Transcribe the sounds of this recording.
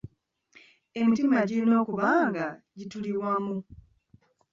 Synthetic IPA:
e̞mitimaɟiino̞ːkuβaːŋɡaɟituliβwamu

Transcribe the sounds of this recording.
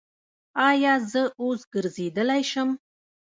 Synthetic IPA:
ɑjɑzəosɡəɾzed̪əlajʃəm

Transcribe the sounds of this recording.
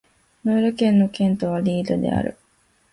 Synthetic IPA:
noːɾɯ̟kẽ̞nːo̞kẽ̞nt̪o̞βaɾʲiːd̪od̪e̞̰a̰ɾɯ̟̰

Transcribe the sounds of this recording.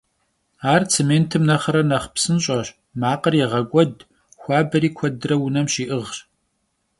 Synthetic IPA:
aːrt͡sʰeːmeːntʰɨmnɐχɐɾɐnɐχpsɨnɕʼɐɕ | maːqərjɛʁɐkʷʼɔd | xʷaːbɐɾiːkʷʰɔdrɐwʊnɐmɕiːʔɨʁɕ

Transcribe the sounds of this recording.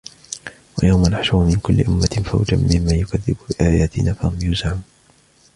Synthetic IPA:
wajawmanaħʃʊɾʊmɪnkʊlːɪ̰ʔʊmːafa̰wd͡ʒa̰mːɪmːaːjʊkaðːɪbbɪʔaːjaːt̪ɪnaːfahʊmjʊzʕamu

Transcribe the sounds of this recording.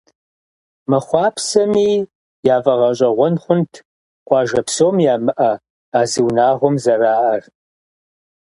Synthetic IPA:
mɐχʷɑːpʰsɐmiː | jaːvɐʁɐɕʼɐʁʷɔnχʷʊntʰ | qʷɑːʒɐpsoːmjaːmɨʔɐ | aːzɨwnaːʁʷɔmzɐraːʔɐr

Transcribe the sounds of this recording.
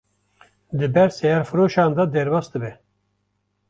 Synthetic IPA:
d̪ɨbɛɾsɛjɑɾfɨɾoːʃaːnd̪ɑd̪ɛɾbɑːsd̪ɨbɛ

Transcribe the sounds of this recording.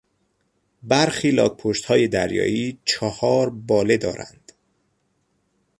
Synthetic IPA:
bæɾxiːlɒːk̚pʰoʃt̪hɒːje̞d̪æɾjɒ̰ːʔiːt͡ʃʰɒhɒːɾbɒːle̞d̪ɒːɾæ̰nd̪̥

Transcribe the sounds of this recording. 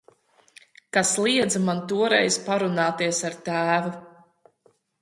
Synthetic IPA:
kaslˠiɛd̪zamant̪uɔɾɛ̰jspaɾunaːt̪iɛsaɾt̪æːvu

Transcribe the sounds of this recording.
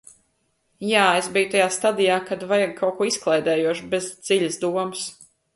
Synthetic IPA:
jaːesbijut̪ajaːst̪ad̪ijaːkad̪vajaɡ̚kʰawkuɔisklˠɛjd̪ɛːjuɔʃbezd̪z̥iʎʲɐsd̪uɔmɨs

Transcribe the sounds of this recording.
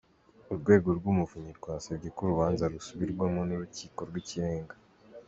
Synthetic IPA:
uɾɡwe̞ːɡo̞ɾɡumuvuɲiɾɡwaːsabɟe̞kuɾuβaːnzaɾusuβiɾɡwamonuɾuciːko̞ɾɡwiciɾe̞ːŋɡa

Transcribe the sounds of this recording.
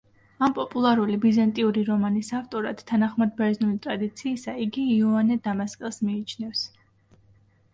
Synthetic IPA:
ampʼɔpʼulˠaɾulibizant̪ʼiuɾiɾɔmanisaft̪ʼɔɾad̪t̪ʰːanaχmad̪̚bɛɾznulit̪ʼɾad̪it̪sʰiːsaiɡiːɔanɛd̪amaskʼɛlˠsmiːt͡ʃʰnɛfs

